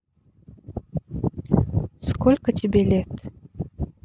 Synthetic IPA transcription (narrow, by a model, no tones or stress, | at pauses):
skolʲkət̪ʲibʲelʲet̪